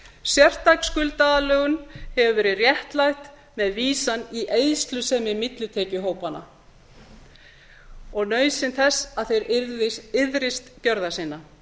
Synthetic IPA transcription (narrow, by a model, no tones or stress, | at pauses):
sjɛr̥t̪akskʏlt̪aalœːɣʏnhɛvʏvɛːɾɪrjɛht̪lajht̪ | mɛðviːsaniʔeːjst̪lʏsɛmɪmɪt̪lʏt̪ʰeːcʏɦoːwpanːa̰ | ɔɣnœːɥsɪnθɛsːaðθejɾɾɪɪðɾɪst̪cœɾðasinːa